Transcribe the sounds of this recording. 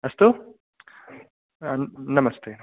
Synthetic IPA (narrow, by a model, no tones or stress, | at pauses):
ɐst̪u | nɐmɐst̪eː